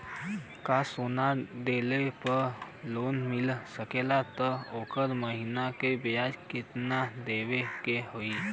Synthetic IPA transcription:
kasonad̪elepəɾ | lonmɪlsəkelat̪ɔoːkəɾməɦinakebjad͡ʒkɪt̪nad̪ewekeɦoi

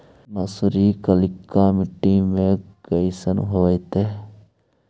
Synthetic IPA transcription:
nɐsʊɾiːkəlɪkːaːmɪʈːiːmẽkəisənɦoːit̪e

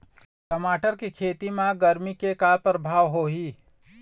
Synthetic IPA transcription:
kəmaːʈəɾkikʰeːt̪imãɡəɾmikekaːɾpɾəbʱaːʋɦoːɦiː

